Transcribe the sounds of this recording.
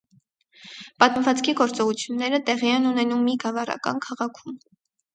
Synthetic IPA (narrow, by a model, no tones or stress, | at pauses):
pɑt̪məvɑt͡skʰiɡɔɾt͡sɔʁut͡sʰjunːɛɾət̪ɛʁiɛnunɛnumːiɡɑvɑrɑ̰kɑ̰nkʰɑʁɑkʰum